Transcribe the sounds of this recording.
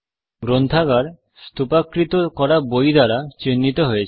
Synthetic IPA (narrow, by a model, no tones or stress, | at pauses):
ɡɾont̪ʰaɡaɾ | st̪upakɾit̪okɔɾabojd̪aɾat͡ɕenːit̪oɦoet͡ɕʰ